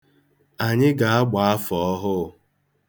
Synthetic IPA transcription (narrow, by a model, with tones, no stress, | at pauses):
a˨ɲɪ˦ɡa˨a˦ɡ͡ba˨a˦fɔ˨ɔ˦ɦʊ˦˨